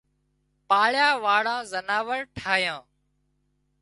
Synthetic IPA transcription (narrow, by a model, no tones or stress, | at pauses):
paːɭjaːʋaːɽãːzənaːʋəɾʈʰaːjãː